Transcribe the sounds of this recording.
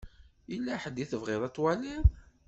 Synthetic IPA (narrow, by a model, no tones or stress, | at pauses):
əlːaħəd̪ːiθəvʁɪðˤɑt̪ˤːwæliɾ